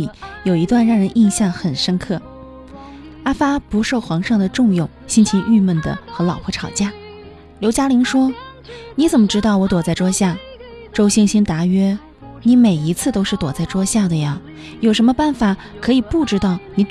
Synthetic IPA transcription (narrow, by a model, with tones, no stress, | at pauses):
jo˨˩ʊi˧˥t̪wa˥˧nɻɑ˥˩ŋɻə˧˥nʔi˥˧nɕjɑ˥˩ŋxə˨˩nʂə˥nkʰɤ˥˩ | a˥fa˥pu˧˥ʂo˥˩ʊxwɑ˧˥ŋʂɑ˥˩ŋd̪ə˩ʈ͡ʂʊ˥˧ŋjʊ˥˩ŋɕi˥nt͡ɕʰi˧˥ŋʔy˥˧mə˥˩nd̪ə̰˩xɤ˧˥lɑ˨˩ʊpʰu˧˥ʈ͡ʂʰɑ˨˩ʊt͡ɕja˥˩ | ljo˧˥ʊt͡ɕja˥li˧˥ŋʂwɔ˥ni˧˥t͡sə˨˩nmə˦ʈ͡ʂɻ̩˥t̪ɑ˥˩ʊwɔ˧˥t̪wɔ˨˩t͡sa˥˩ɪʈ͡ʂwɔ˥ɕja˥˩ | ʈ͡ʂo˥ʊɕi˥˧ŋɕi˥nt̪a˧˥ɥɛ˥ | ni˧˥me˨˩ɪi˧˥t͡sʰɹ̩˥˩t̪o˥ʊʂɻ̩˥˩t̪wɔ˨˩t͡sa˥˩ɪʈ͡ʂwɔ˥ɕja˥˩d̪ə˩ja˩ | jo˨˩ʊʂə˧˥mə˧pa˥˩nfa˨˩˦ | kʰɤ˧˥i˨˩pu˥˩ʈ͡ʂɻ̩˥t̪ɑ˥˩ʊni˧˥t̪